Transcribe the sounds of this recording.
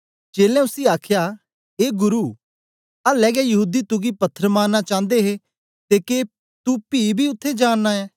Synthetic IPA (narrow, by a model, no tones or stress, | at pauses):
d͡ʒeːlɛ̃ʊsiaːkʰja | eːɡʊɾuː | alɛːɡɛjɐɦuːd̪it̪ʊɡipɐt̪ʰːəɾəmãːnːat͡ʃãːnd̪eɦe | t̪ekeː | t̪upiːbʱiːʊt̪ʰːed͡ʒaːnːaɛː